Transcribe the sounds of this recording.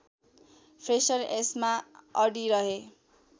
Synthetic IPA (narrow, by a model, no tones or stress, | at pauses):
pʰɾesʌresmaʌɽiɾʌɦe